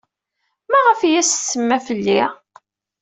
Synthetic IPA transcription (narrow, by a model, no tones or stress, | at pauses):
mæʁəfjæssːəmːæfəlːi